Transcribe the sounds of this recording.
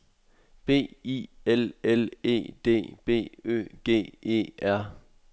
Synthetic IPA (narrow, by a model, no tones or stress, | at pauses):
b̥e̝̰ːḭelele̝̰ːd̥e̝̰ːb̥e̝̰ːø̰ːɡ̥e̝̰ːe̝̰ːæɐ̰